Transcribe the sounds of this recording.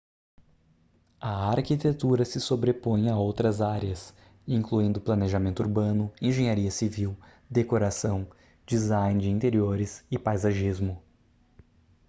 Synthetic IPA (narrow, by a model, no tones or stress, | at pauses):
ɐaɾkit̪et̪uɾɐsɪsobɾepõj̃aowt̪ɾɐzaɾjɐs | ĩŋkluĩnd̪ʊplɐneʒamẽnt̪ʊuɾbɐ̃nʊẽʒẽɲaɾiɐsiviw | d̪ekoɾasɐ̃w̃ | d͡ʒizaj̃nd͡ʒɪĩnt̪eɾioɾɪsɪpajzaʒizmʊ